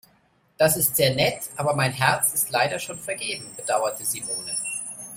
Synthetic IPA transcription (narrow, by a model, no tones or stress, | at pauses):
d̥asɪstz̥eːɐnɛtʔaːbɐmaɪnɦɛɐt͡sɪstlaɪɾɐʃoːnfɛɐɡeːbm̩bəd̥aʊɐtʰəzimoːnə